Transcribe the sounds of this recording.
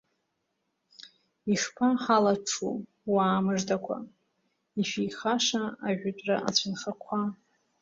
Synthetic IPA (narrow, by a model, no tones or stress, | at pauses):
iʂpʰaħalaʈ͡ʂʰṵ | waːmɨʐdakʷʰa̰ | iʃijχaʂaaʒᶣʷatʷʼraʔa̰t͡ɕʷʰanχakʷʰa